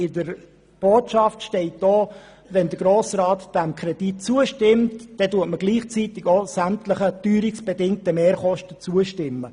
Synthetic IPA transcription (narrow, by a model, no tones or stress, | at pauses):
ɪdəɾ | b̥oːtʃɑftʃtɛɪt̚d̥oː | ʋɛnd̪əɡ̥ɾoːsrɑːtd̥æmkʰɾɛd̥it̚t͡suəʃtɪmtd̥ɛtuətməɡ̥liːχt͡sit̪ɪɡosæmtləχətyːɾɪksb̥ɛdɪŋ̚təmeːɾχɔʃtət͡suəʃtɪmːə